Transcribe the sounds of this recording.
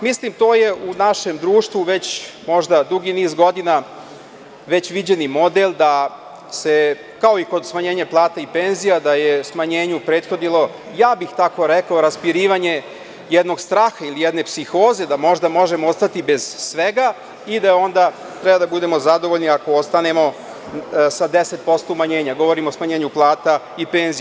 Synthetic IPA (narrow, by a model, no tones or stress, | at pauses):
mislimt̪oːje̞ʔunaʃe̞md̪ɾuːʃt̪ʋuʋe̞t͡ɕmo̞ʒd̪ad̪uɡiniːzɡo̞d̪ina | ʋe̞t͡ɕʋid͡ʑenimo̞d̪elˠd̪a | se | kao̞iko̞d̪smaɲe̞ːɲaplˠaːt̪aipe̞nzijad̪ajesmaɲe̞ːɲupɾe̞ːt̪xo̞d̪nilˠo̞ | jaːbixt̪ako̞ɾekaoɾaspiɾiːʋaɲe̞ | jed̪no̞ɡst̪ɾaːxailijed̪ne̞psixo̞ːze̞d̪amo̞ʒd̪amoʒemoost̪at̪ibe̞z̥sʋeɡa | id̪ao̞nd̪a | t̪ɾɛbad̪abud̪e̞mo̞zad̪o̞ʋoʎniako̞ost̪ane̞mo̞ | sad̪e̞set̪̚po̞st̪oumaɲe̞ːɲaɡo̞ʋo̞ɾimosmaɲe̞ːɲuplˠaːt̪a | ipe̞ːnzi